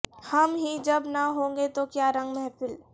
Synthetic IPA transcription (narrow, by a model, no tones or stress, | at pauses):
hɐmɦid͡ʒɐbnaɦõːŋɡet̪okjaːɾə̃ŋɡmɛ̃ɦpɪl